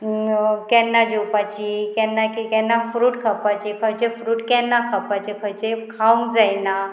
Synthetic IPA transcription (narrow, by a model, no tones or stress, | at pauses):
kɛnːad͡ʑowpat͡ɕiːkɛnːakikɛnːafɾuːʈkʰapat͡ɕikʰət͡ɕefɾuːʈkɛnːakʰapat͡ɕekʰət͡ɕekʰaũŋɡd͡zajna